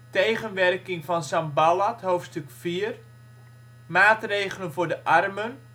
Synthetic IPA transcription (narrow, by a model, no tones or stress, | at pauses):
tejχənʋɛrkɪŋfɔnsambalatɦoːftstʏkfiːər | maːtreːjɣələnvʊːrdəʔarmən